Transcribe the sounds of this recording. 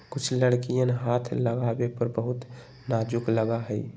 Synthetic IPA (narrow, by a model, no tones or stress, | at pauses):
kʊt͡ʃʰləɽkijənɦat̪ʰləɡabepəɾbəɦut̪ | nad͡ʒukləɡaɦəj